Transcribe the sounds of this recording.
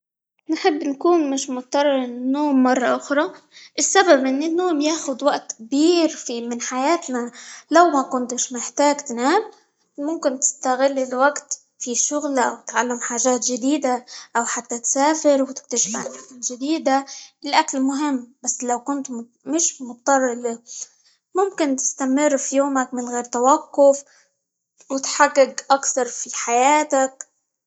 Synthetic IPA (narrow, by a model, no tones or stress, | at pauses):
nħɪbːnkuːnmɪʃmʊt̪t̪ɑrˤːɑɾnːoːmːɑrˤːɑʔʊxɾˤɑʔɪsːababʔɪnːɪnːoːmjaːxʊd̪waʔt̪kbiːɾfimɪnħajaːt̪nalawmakʊnt̪ɪʃmɪħt̪aːɡt̪naːl | mʊmkɪnt̪ɪ̥st̪aɣɪlːɪlwaɡt̪ | fiʃʊɣlʔa̰wt̪ʕalːamħaːʒaːt̪ʒɪd̪iːd̪aʔawħat̪ːat̪saːfɪɾwt̪ɪk̚t̪aʃɪbʕanakanʒɪd̪iːd̪aɪlʔakalmʊɦɪmːbasːlawkʊnt̪ | mɪʃmʊt̪t̪ːˤɑrˤːɑli | mʊmkɪnt̪ɪ̥st̪amɪrːfijoːmakmɪnɣeːɾt̪awaqːʊf | wɪt̪ħarːɪɡʔakθɑɾˤfiħajaːt̪ak̚